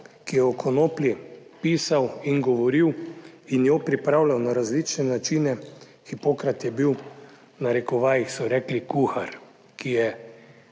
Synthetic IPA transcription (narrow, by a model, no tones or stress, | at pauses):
kijɛɔkʰɔnoːpljipisawiŋɡɔʋɔɾiw | injopɾipɾawlawnaɾazlit͡ʃnɛnat͡ʃinɛ | xipoːkɾat̪jɛbiw | naɾɛkɔʋaːjixsɔɾɛːklikuxaɾ | kijɛ